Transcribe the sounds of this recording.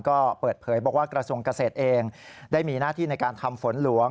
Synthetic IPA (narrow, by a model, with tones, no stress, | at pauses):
kɔː˥˩pɤː˨˩t̪̚pʰɤː˩˦jbɔː˨˩k̚waː˥˩kɾa˧su˧əŋka˧seː˨˩t̪̚ʔeː˧ŋ | daː˥˩jmiː˧naː˥˩t̪ʰiː˥˩na˧jkaː˧nt̪ʰa˧mfo˩˦nlu˩˦əŋ